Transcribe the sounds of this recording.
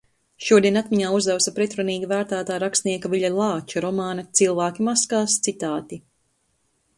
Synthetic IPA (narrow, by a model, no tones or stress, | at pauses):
ʃuɔd̪iɛnat̪miɲaːuzd̪awsɐpɾɛt̪ɾaniːɡavæːɾt̪aːt̪aːɾakst̪niɛkaviʎalˠɑːt͡ʃaɾɔmaːnɐt̪silˠvæːkʲimaskaːst̪sit̪aːt̪i